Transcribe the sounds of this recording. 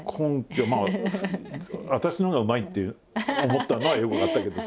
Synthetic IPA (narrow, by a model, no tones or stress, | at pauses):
kʰõŋkʲomaːas | βat̪aɕinoŋɡaɯ̟mait̪ːeɯ | omo̞t̪ːano̞βajokɯnat̪ːake̞d̪o̞